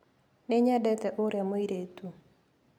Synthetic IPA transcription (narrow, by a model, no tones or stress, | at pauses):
neɲɛdɛt̪ɛʔoɾjamoiɾetu